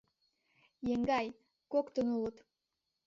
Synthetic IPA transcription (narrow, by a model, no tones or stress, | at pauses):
jeŋɡɑj | kokt̪ə̆nulˠɤt̪